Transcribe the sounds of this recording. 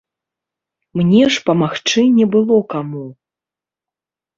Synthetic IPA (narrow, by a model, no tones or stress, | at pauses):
mnʲɛʂpɐmaxt͡ʂɨnʲɛbɨlˠɔkamu